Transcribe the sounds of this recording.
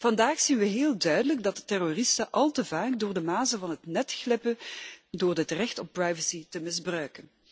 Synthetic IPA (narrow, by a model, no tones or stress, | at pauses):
v̥ɑndaːxsinʋəɦeːlˠdœɥdələɡdɑtətɛrorɪstəʔɑlˠtəvaːkdʊːrdəmaːsəvɑnɦətnɛtxlɪpədoːrdətrɛxtɔpprajvəsitəmɪzbrœɥkən